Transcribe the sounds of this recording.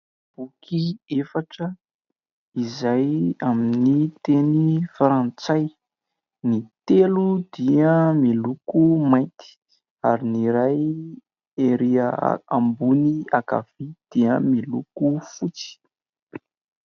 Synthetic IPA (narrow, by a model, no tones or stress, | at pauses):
b̥ukʰiefaʈ͡ʂə | izajaminit̪enifaɾant͡saj | nit̪elud̪iəmilukumaj̪t̪i̥ | aɾiniɾaj | eɾiə̰a̰mbuniaka̰v̥id̪̥iəmilukufut͡si̥